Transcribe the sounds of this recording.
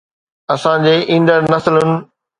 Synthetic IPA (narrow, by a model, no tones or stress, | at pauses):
ɐsãd͡ʑeːʔĩːnd̪əɾnɐsəlʊnɪ̆